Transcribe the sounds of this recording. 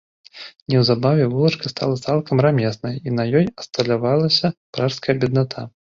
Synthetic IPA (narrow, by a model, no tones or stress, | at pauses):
nʲɛwzabavʲɛvulˠɐt͡ʂkɐst̪ʰa̰lˠɐt̪salˠkɐmramʲɛsnɐjinɐjɔjɐst̪ɐlʲavalˠɐsʲɐpɾaʂskɐjɐbʲɛd̪nat̪ʰa